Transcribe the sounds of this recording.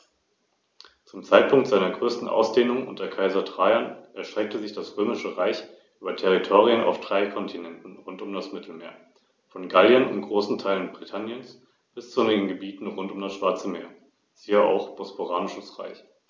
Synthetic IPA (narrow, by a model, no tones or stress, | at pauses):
t͡sʊmt͡saɪt̚pʰʊŋk̚tz̥aɪnɐɡʁøːstn̩ʔa̰ʊsd̥eːnʊŋʔʊ̰ntɐkʰaɪzɐdʁ̥aɪɐnʔɛɐʃtʁ̥ɛk̚təzɪçd̥asʁ̥øːmɪʃəʁaɪç | ʔyːbɐtʰɛʁ̞itʰoːʁ̞iənʔa̰ʊfd̥ʁaɪkʰɔntʰinɛntn̩ʁʊntʊmdasmɪtʰl̩meːɐ | fɔnɡaljənʊ̰mɡ̥ʁoːsn̩tʰaɪlənbʁitʰanjəns | b̥ɪst͡sʊnɪɡŋ̩ɡəbiːtn̩ʁʊntʊmdasʃv̥aɐt͡səmeːɐ | z̥iːəʔa̰ʊxb̥ospoʁaːnɪʃəsʁa̰ɪç